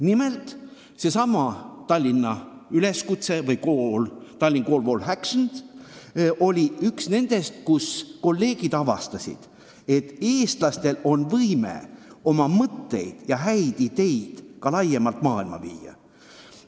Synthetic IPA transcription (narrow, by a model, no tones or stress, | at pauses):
nime̞lt̪ˑ | se̞sɑmɑt̪ɑlʲːinɑyle̞skut̪se̞vɤjkoːlt̪ɑlʲːiŋko̞ːlvo̞ːlɦækʃnd̪̥ | ʔo̞lʲiyksne̞nd̪̥e̞st̪kusko̞lːe̞ːɡ̥id̪̥ɑvɑ̰st̪ɑsʲḭd̪̥ | e̞t̪ːe̞ːst̪lɑst̪e̞lo̞nvɤjmḛo̞mɑmɤt̪ːe̞̰jd̪̥jɑɦæjd̪̥id̪̥e̞jd̪̥kɑlɑjːemɑlt̪ˑmɑːilmɑ̰vḭːjɑ̰